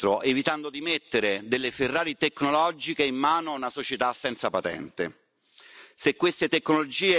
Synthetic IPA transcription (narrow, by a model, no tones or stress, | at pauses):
ɾoʔevit̪and̪od̪imet̪ːeɾed̪elːeferːaːɾit̪ekːnolɔd͡ʒikeimːaːnonasot͡ʃet̪asːɛnt̪sapat̪ɛ̰nt̪ḛ | sekːwest̪et̪ekːnolod͡ʒiːe